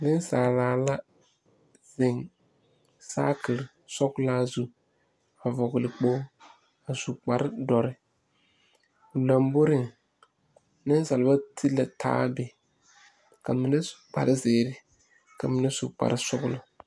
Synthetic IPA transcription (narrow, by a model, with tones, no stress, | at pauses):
nɪ˦saː˨laː˨la˦ | z̥ɪ˨ŋ | sa̰ː˦ki˨ɾ | sɔ˦klaː˦zu˨ | a˨vɔ˨ɡʊ˨lɪ˨k͡poː˦ | a˨su˨k͡pa˨ɾɪ˦dɔ˨ɾɪ˦ | ʊ˨la˨mbo˦ɾɪ˦˨ŋ | nɪ˦n˦sa˨lba˦tʰi˦la˨tʰa̰ː˦bɪ˨ | ka˨mɪ˨nɪ˦su̥˨k͡pa̰˨ɾɪ˦zeː˨ɾɪ˦ | ka˨mɪ˨nɪ˦sṵ˨k͡pa̰˨ɾɪ˦sʊ˦ɡʊ˦lʊ˨